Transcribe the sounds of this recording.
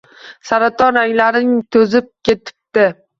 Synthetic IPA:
saɾat̪ʰɒnaŋlaɾnɪŋt̪ʰɵzɪp̚kʲʰe̞t̪ʰɪ̥p̚t̪ɪ

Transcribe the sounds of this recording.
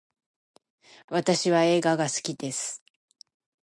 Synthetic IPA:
βat̪aɕiβae̞ːɡaɡasɨ̥kʲid̪e̞sɨ̥

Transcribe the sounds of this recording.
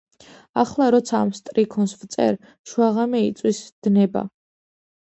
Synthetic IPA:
aχlˠaɾɔt̪sʰaːmst̪ʼɾikʰɔnsvt̪sʼɛ̰ɾ | ʃwaʁamɛit̪sʼwisd̪̥nɛba̰

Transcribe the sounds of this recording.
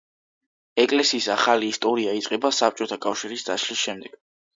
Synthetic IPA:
ɛkʼlɛsiːsaχaliːst̪ʼɔɾiait̪sʼqʼɛbasap̚ʰt͡ʃʼɔt̪ʰakʼafʃiɾisd̪aʃlisʃɛmd̪ɛɡ̥

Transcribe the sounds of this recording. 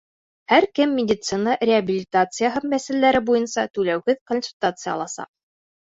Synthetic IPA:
hæɾkɘmːʲɪdʲɪt̪sɨnərʲɪabʲilʲɪt̪at̪sɨjəɦɤmːæsælːæɾɘbujɤnsɑt̪ʉlæwhɘðkonsulʲt̪at̪sɨjɑ̰lˠɑsɑ̰q̚

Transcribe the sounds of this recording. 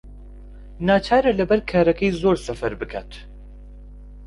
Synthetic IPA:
naːt͡ʃʰaːɾɐlɐbɛɾkʰaːɾɛkʰɛjzoːɾsɛfɛɾbɨkʰaːt̪

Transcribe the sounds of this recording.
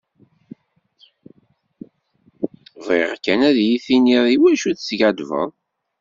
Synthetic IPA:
veʁkːænæðjiθiniðˤiwæʃuθsʝad̪və̰ðˤ

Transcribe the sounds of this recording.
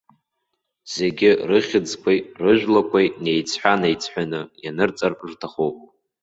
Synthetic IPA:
z̥e̞ɡʲɪrɨχʲɪd͡zkʷʰajrɨʒᶣlakʷʰajne̞jt͡sʰħʷᶣanejt͡sʰħʷᶣanɨjanɨrt͡sʼarʐtʰaχowpʼ

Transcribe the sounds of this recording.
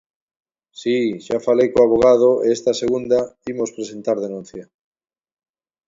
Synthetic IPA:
siʃafalejkoaβ̞oɣ̞að̞oʔeest̪aseɣund̪aimospɾesent̪aɾðenũn̟θja

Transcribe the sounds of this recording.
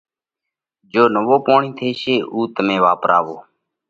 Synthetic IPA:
d͡ʒoːnəʋoːpoːɳĩːt̪ʰeːʃeːʔuːt̪əmẽːʋaːpɾa̰ːʋoː

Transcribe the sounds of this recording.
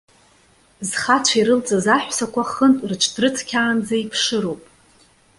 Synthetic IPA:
zχat͡ʃʷʰaiɾɨlt͡sʼazaħʷsakʷaχəntʼrʈ͡ʂʷʰdrɨt͡sʰkʲʰaːnd͡zaipʰʂɨɾowpʼ

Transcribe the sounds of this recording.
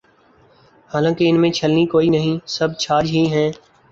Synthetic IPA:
haːlãːkeɪnmẽt͡ʃʰəlnikoːinəɦĩsɐb̚t͡ʃʰaːd͡ʒɦiɦɛ̃ː

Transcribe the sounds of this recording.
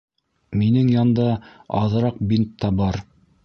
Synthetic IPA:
minɘŋjɑnd̪ɑɑ̰ðɤ̆ɾɑq̚bint̪ːɑbɑɾ

